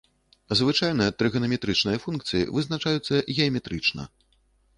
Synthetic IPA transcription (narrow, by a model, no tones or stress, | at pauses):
zvɨt͡ʂajnɨjɐt̪ɾɨɣɐnɐmʲɛt̪ɾɨt͡ʂnɨjɐfunkt̪sɨjḭvɨznat͡ʂajut̪sːɐɣʲɛɐmʲɛt̪ɾɨt͡ʂnɐ̰